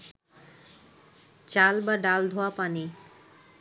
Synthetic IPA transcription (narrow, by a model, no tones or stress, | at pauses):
t͡ɕalbaɖald̪ʱoapani